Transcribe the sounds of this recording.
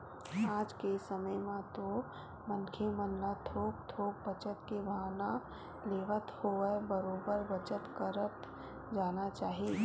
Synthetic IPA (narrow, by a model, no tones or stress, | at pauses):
aːd͡ʒkesəməjmãt̪o | mənkʰemənlat̪ʰoːk̚t̪ʰoːk̚bət͡ʃət̪kebʱaːna | leːʋət̪hoːəbəɾoːbəɾbət͡ʃət̪kəɾət̪ | d͡ʒaːnat͡ʃaːɦie